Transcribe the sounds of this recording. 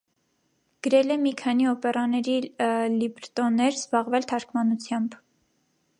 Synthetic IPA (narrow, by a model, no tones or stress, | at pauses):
ɡ̥əɾɛlɛmikʰɑniɔpɛrɑnɛɾilibɾt̪ɔnːɛɾzbɑʁvɛlt̪ʰɑɾkʰmɑnut͡sʰjɑmb